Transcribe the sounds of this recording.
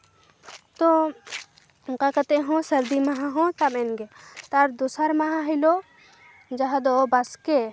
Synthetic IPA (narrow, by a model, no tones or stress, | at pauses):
t̪o | ɡɐkɐt̪eɦõsɐɾd̪imɐɦaɦõt̪ɐmenɡet̪ɐɾd̪usɐɾmɐɦaɦilo | d͡ʒɐɦad̪obɐske